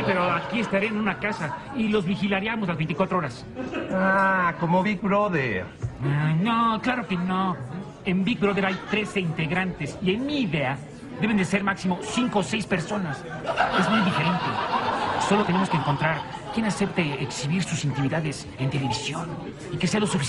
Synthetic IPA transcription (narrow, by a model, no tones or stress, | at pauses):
ipe̞ɾoakiest̪aɾeenũnakasa | ilo̞zβixilaɾjamoslazβent̪ikwat̪ɾooɾas | akomoβik̚bɾoðeɾ | noklaɾo̞keno | embik̚bɾoðeɾajt̪ɾe̞seint̪e̞ɣɾant̪esienmiːðe̞a | ðe̞βe̞nd̪ese̞ɾmaksimo̞siŋko̞se̞jspeɾso̞nas | ezmujðife̞ɾe̞nt̪eso̞lo̞t̪enemoskeŋko̞nt̪ɾaɾkje̞nase̞p̚t̪eːksiβiɾsusint̪imiðaðe̞s | e̞nt̪e̞le̞βisjon | ikese̞alosufi